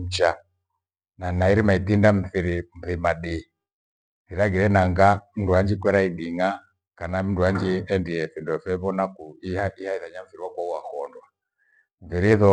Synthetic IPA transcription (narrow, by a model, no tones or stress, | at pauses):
t͡ʃa | nanaiɾimaitindam̩θiɾim̩θimaɗi | iɾaɡiɾɛnaŋɡam̩nduaɲd͡ʒikwɛɾaiɗiŋa | kanam̩nduaɲd͡ʒiɛndiɛfɛndɔfɛβɔnakuiaihaiðaɲaɱ̩fiɾiwakwauakɔndwa | ɱ̩viɾiðɔ